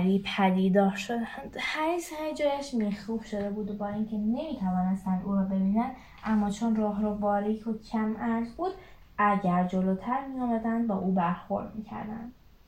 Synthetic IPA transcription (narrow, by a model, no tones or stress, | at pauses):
ɾipʰæd̪iːd̪ɒːɾʃod̪ænd̪̥hæɾishæd͡ʒɒːjæʃmixuːhʃo̞d̪e̞buːd̪bɒːiːŋcʰe̞ne̞miːt̪ʰævɒːnest̪ænd̪ʔuːɾɒːbe̞biːnænd̪ | ʔæmːɒːt͡ʃʰonrɒːɦɾɔbɒːɾicʰbuːd̪̥̚cʰæmæɾzbuːd̪ | ʔæɟæɾd͡ʒoloːt̪ʰæɾmijɒːmæd̪ænd̪bæʔuːbæɾxo̞̰ɾd̪miːcʰæ̰ɾd̪æ̰nd̪̥